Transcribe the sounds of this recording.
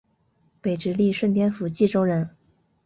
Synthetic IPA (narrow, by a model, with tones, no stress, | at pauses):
pe˨˩ɪʈ͡ʂɻ̩˧˥li˥˧ʂwə˥˩nt̪jɛ˥nfu˧˥t͡ɕi˥˩ʈ͡ʂo˥ʊɻə˧˥n